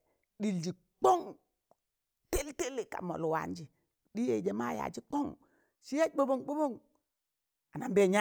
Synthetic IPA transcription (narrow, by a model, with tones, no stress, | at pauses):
ɗi˨ld͡ʒi˨ | k͡po˦ŋ | te˦lte˦li˨ka̰˨mo̰˨lu˨wa̰˨n˦d͡ʒi˨ | di˦jḛ˨d͡ʒe˦ma˦˨ja̰˨d͡ʒi˦k͡po˦ŋ | ʃi˦ja˦bo˦bo˦ŋk͡po˦bo˦ŋ | a˨na˨mbe˦˨ɲa˦